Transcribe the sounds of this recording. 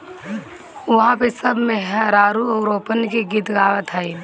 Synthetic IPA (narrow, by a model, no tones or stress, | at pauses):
ʋɐɦãpesəbʱmeɦəɾaːɾuɔːɾoːpənkeɡit̪ɡaːʋət̪ɦɛi